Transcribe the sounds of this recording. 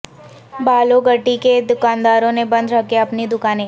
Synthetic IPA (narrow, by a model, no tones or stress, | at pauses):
baːloɡɐʈːiked̪ʊkaːnd̪aːɾõnebɐ̃nd̪ɾɐkeɐpnid̪ʊkaːnẽː